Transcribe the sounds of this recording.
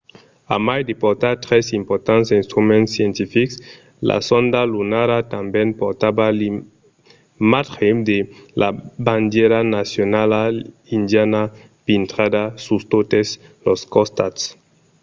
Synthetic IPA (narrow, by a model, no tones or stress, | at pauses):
a̰majd̪epoɾt̪at̪ɾesimpoɾt̪ansinst̪ɾumẽnsjent̪ifiks | la̰sond̪alunaɾat̪ambjenpoɾt̪abali | mat̪xed̪elaband̪jeɾanasjonala | ind̪jana | pint̪ɾad̪asust̪ot̪esloskost̪ats